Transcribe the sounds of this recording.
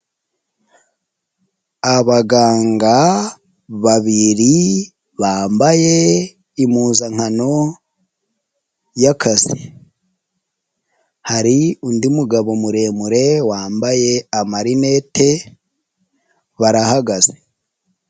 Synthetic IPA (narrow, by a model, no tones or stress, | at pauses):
aβaɡaːŋɡa | βaβiɾi | βaːmbaje̞ | imuːzaŋ̥hano̞ | jakʰaz̥i | haɾiundimuɡaβo̞muɾe̞ːmuɾe̞waːmbaje̞amaɾine̞te̞ | βaɾahaɡaz̥e̥